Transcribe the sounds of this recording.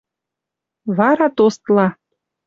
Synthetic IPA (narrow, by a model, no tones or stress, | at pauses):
βɑɾɑt̪ost̪lɑ